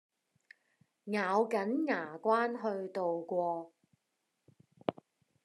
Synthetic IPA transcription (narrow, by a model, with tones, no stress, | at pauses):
ŋaː˨˧wkɐ˨˥nŋaː˨˩kʷwaː˥nɦɵ˧ɥt̪o˨wkʷɔː˧